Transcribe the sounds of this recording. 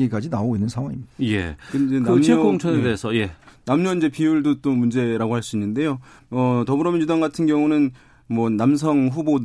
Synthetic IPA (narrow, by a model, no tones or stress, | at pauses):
ik͈ad͡ʑinaoɡoinːɯnsʰaŋwaŋimi̥je̞̰kɯenkɯamɲʰeʌɡoŋt͡ɕʰʌnede̞ːsʰʌje̞namɲʌind͡ʑe̞piuɭdot͈omund͡ʑe̞ɾaɡohaɭs͈uinːɯnde̞joʌtʌbɯɾʌmjʌnɲjudaŋɡatʰɯnɡjʌŋunɯn | mwʌnams̬ʰʌŋɸubo